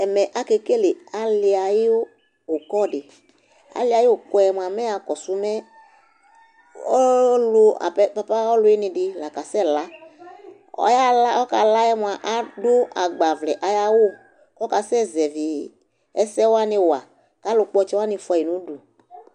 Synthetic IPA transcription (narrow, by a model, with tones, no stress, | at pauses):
ɛ˨mɛ˨ʔa˨ke˦ke˦lɪ˨a˨lɪ˧a˨jɪ˦ | ʊ˨kɔ˦˨ɖɪ˨ | a̰˨lɪ˦a˨jɪ˦wo˨kɔ˦ɛ˦m˧˨a˨mɛ˦a˨kɔ˨sʊ˦mɛ˦ | ɔ˦lʊ˦a̰˨pɛ˦pa˦pa˦ɔ˦lʊ˨˦jɪ˦nɪ̃˧dɪ˦la˨ka˨sɛ˦la˦ | ɔ̰˦ja˦la˦ɔ˦ka˨la˦jɛ˦m˨a˨ʔa˨dʊ˦a˨ɡ͡ba˨vlɛ˨ʔa˨ja˦wo˦ | kɔ˦ka˨sɛ˦zɛ˨vi˨ | ɛ˦sɛ˦wa˦nɪ̃˧wa˨ | ka˨˦lʊ˧k͡pɔ˦t͡ʃɛ˦wa˦nɪ̃˧fa˨ji˨nũ˨˦du˨